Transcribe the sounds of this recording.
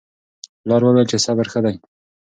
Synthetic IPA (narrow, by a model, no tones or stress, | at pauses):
lɑɾwəwelt͡ʃesabəɾxəd̪aj